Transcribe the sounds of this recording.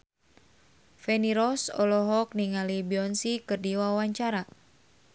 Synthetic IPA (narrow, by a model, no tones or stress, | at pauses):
fɛniɾɔsɔ̰lɔɦɔk̚niŋalibiɔnsikɨrdiwawaɲt͡ʃaɾa